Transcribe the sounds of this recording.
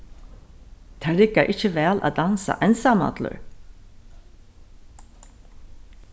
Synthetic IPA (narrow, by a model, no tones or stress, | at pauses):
t̪ʰæːɾɪkaʔɪt͡ʃəʋæːlʔa̰d̪ansa̰ʔɛnsama̰t̪lʊ̰ɹ